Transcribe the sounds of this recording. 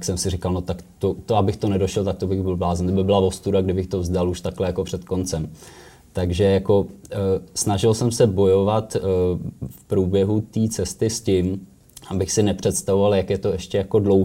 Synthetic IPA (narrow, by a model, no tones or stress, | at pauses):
ksɛmsɪrɪkalno̞t̪akt̪ot̪oabɪxt̪o̞nɛdo̞ʃɛlt̪ak̚t̪obɪɣbɪlblaːzɛmt̪obɪbɪlavo̞st̪udaɡdɪbɪxt̪ovzdaluʃt̪aklɛjakopr̝̥ɛt̪ko̞nt͡sɛm | t̪aɡʒɛjako̞ | snaʒɪlsɛmsɛbo̞jo̞vat̪ | fpɾuːbjɛɦut̪iːt͡sɛst̪ɪscɪm | ʔabɪxsɪnɛpr̝̥ɛt̪st̪avovaljakjɛt̪o̞ɛʃcɛjako̞dlo̞w